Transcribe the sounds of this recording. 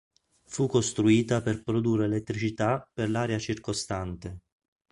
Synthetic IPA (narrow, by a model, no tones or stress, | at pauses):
fukːost̪ɾuiːt̪aperpɾod̪ureːlet̪ːɾit͡ʃit̪aperlaːɾeat͡ʃirkost̪ant̪e